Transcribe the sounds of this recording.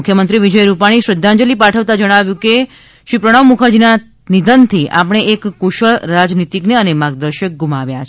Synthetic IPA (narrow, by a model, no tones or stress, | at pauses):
kʰjəmənt̪ɾiʋid͡ʒəjɾupaɽ̃iʃɾəd̪ʱːãɲd͡ʒəlipaʈʰəʋt̪ad͡ʒəɽ̃aʋjũke | ʃɾipɾəɽ̃aʋmukʰad͡ʒina | nid̪ʱənt̪ʰiʔa̰pəɽ̃eʔekːuʃəɭɾad͡ʒnit̪ikneənemaɡ̚d̪əɾʃjək̚ɡumaʋjat͡ʃʰ